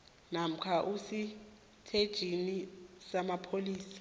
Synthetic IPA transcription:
nam̩kʰaʔusi | tʰed̥ʒ̥ʱinisamapʰoliːsḁ

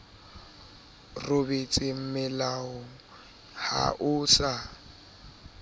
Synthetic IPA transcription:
rʊbet͡sʼɪm̩mɪlaʊ | ha̰ʔʊːsa

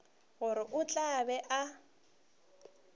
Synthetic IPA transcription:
ɣʊɾɪʔʊt͡ɬʼabɛʔa

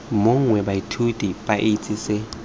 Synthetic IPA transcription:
moŋ̩ŋwɛbaitʰutʼipʼaʔet͡sʼɪsɪ

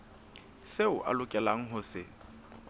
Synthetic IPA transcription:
seʊʔa̰lʊkʼɛlaŋ̩ɦʊsɪ

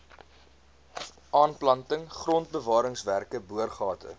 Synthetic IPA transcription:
ɑːnplɐntəŋχrɔnt̚bəvɑːɾəŋsværkəbuərχɑːtʰə̰

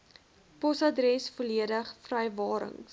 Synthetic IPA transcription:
pɔsɐdɾɛsfoliədəχfrɛjvɑːɾə̰ŋ

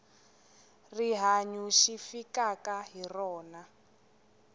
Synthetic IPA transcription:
riɦaɲuʃifikakaɦirɔːna

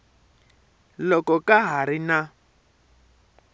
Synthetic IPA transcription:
lɔkɔkʼaɦaɾina

